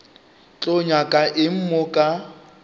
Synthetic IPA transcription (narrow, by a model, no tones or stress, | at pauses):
t͡ɬʼoɲakʼaʔɪm̩mokʼa